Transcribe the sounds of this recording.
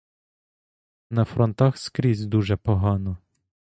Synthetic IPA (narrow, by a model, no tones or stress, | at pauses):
nɐfɾɔnt̪ɑxskɾʲizʲd̪uʒɛpɔɦɑnɔ